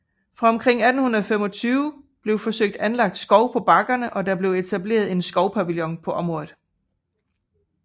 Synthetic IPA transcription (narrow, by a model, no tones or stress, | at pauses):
fʁɑ̈ɒ̽mkʰʁeŋ̰æd̥n̩hunɐð̩ˠfemɒ̽t͡sʰyːʊ | b̥le̝ʊfɒ̽søɡ̥̚d̥ænlɑ̈ɡ̥̚d̥sɡ̥ɒ̽ʊpʰɒ̽b̥ɑ̈ɡ̥ɐnəʔɒ̽d̥ɑ̈b̥le̝ʊe̝t͡sʰæb̥le̝̰ːɐð̞̩ˠe̝nsɡ̥ɒ̽ʊpʰæʋiljɒ̽npʰɒ̽ʔɒ̽mʁɔ̽ːð̩ˠ